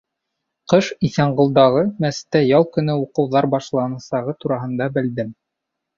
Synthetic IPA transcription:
qɤʃiθæɴɢɤ̆lˠd̪ɑʁɤmæst̪æjɑlˠkɵ̆nɘuqɤ̆wðɑɾbɑʃlˠɑnɑ̆sɑʁɤt̪uɾɑɦɤ̆nd̪ɑbɘ̆ld̪ɘm

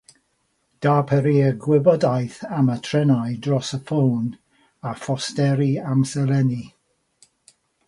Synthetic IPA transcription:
d̥aːpʰəɾiːəɡwɪbɔdajθamətʰrɛnajdrɔsəfown | afɔstɛɾiamsɛlɛni

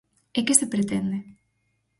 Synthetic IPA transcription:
ekesepɾet̪end̪e

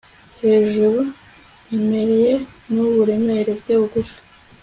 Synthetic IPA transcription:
he̞ːʒuɾu | emeɾijenuβuɾemeɾebɡeuɡuʃḁ

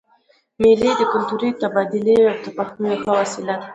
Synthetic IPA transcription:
meled̪əkʊlt̪uɾit̪abɑd̪ɪliawt̪apaxmujoxəwasɪlat̪̚

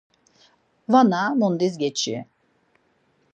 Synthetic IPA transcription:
vanamund̪izɡʲɛt͡ʃʰḭ

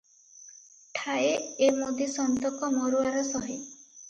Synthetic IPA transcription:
ʈʰaeemod̪ʱisɔnt̪ɔkɔmɔɾuaɾɔsɔɦi

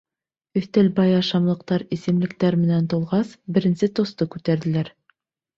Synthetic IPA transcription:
ɵ̆θt̪ælbɑjɑʃɑmlˠɤ̆q̚t̪ɑɾisɘ̆mlɘ̆kt̪æɾmɘ̆nænt̪ulˠʁɑsbɘ̆ɾɘ̆nsɘt̪ŏst̪ɤkʉt̪æɾðɘ̆læɾ

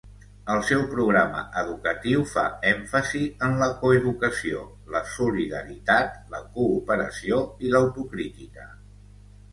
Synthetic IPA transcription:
əlˠsɛwpɾuɣɾamə̰ʔəðukət̪iwfa̰ɛɱfəziənləkoəðukəsio̰ | ləsuliðə̰ɾit̪at̪lə̰kuːpəɾə̰sioiləwt̪ukɾit̪ikə

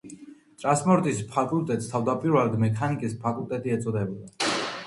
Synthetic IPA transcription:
t̪ʼɾanspʼɔɾt̪ʼispʰakʼulˠt̪ʼɛt̪st̪ʰavd̪apʼiɾvɛld̪mɛkʰanikʼispʰakʼult̪ʼɛt̪ʼiɛt̪sʼɔd̪ɛbɔd̪a

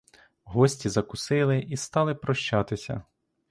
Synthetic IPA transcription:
ɦɔsʲtʲizɐkʊsɪlˠɪist̪ɑlˠɪpɾɔʃt͡ʃɑt̪ɪsʲɐ̰

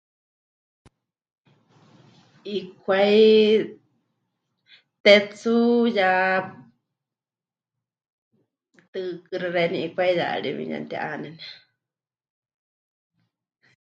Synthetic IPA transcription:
ikʰwai | t̪ɛt͡suja | t̪ɨkɨɾɨɾeniikʷaija̰ɺḭβḭɲã̰nt̪ia̰ʔanɛn

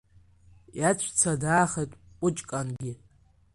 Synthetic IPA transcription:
jat͡ɕʷʰt͡sʰadaːχejtʼ | pʷʼʊt͡ʃʼkʼanɡʲɪ

